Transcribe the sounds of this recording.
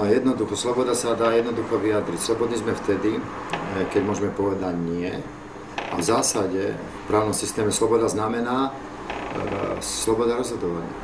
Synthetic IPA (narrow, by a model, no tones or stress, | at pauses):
jɛd̪nɔd̪uxɔslɔbɔd̪asad̪aːjɛd̪nɔd̪uxɔʋiad̪ɾicslɔbɔd̪nizmɛft̪ɛd̪i | kɛɟmʊɔʒɛmɛpɔʋɛd̪aɟnɪɛ | a̰vzaːsaɟɛ | fpɾaːʊnɔmsist̪ɛːmɛslɔbɔd̪aznamɛnaː | slɔbɔd̪aɾɔzɦɔd̪ɔʋaɲɪa̰